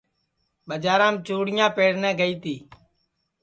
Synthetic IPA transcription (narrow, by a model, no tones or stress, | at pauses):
ɓəd͡ʒaːɾãːmt͡ʃoːɽɪjãːpeːɽnɛ̃ːɡəiːt̪iː